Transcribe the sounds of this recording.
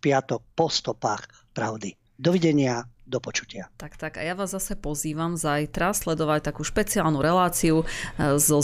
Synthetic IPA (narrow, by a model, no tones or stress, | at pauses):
pɪat̪ɔk̚pɔst̪ɔpaːx | pɾaʊd̪i | d̪ɔʋiɟɛɲɪad̪ɔpɔt͡ʃu̥cɪat̪akt̪aka̰jaʋaːzːasɛpɔziːʋamzajt̪ɾaslɛd̪ɔʋac̚t̪akuːʃpɛt͡siaːlnuɾɛlaːt͡siuzɔ